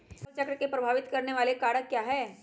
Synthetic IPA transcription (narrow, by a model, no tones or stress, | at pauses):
t͡ʃəkɾəkepɾɐbʱaːʋɪt̪kɐɾneʋaːlekaːɽəkːjaːɦɛː